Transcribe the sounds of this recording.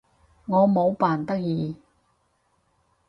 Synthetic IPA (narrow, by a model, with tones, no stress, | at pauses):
ŋɔː˨˧mo˨˧wpaː˨˩nt̪ɐ˥k̚jiː˨˧